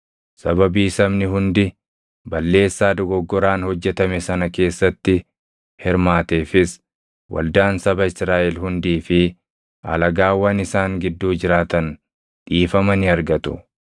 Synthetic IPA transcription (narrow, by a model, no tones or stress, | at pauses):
sɐbɐbiːsɐmnɪɦʊnd̪ɪ | bɐlːe̞ːsːaːd̪ɔɡɔɡːɔɾaːnhɔd͡ʒːɛt̪ɐmɛsɐnɐke̞ːsːɐt̪ːɪ | hɪɾmaːt̪eːfɪs | wʔɐ̰ld̪aːnsɐbɐɪsɾaːʔɛlhʊnd̪iːfɪ | ʔɐ̰lɐɡaːwːɐnɪsaːŋɡɪd̪ːuːd͡ʒɪɾaːt̪ɐn | ᶑiːfɐmɐnɪɐɾɡɐt̪ʊ̥̰